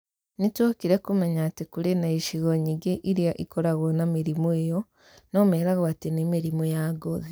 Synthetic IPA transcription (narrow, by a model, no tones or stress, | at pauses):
nitwokiɾekumeɲatikuɾenaiʃiɣoɲiɡeʔiɾjaʔikoɾaɣonamiɾimoejo | noːmeɾaɣoatinimiɾimojaɡoði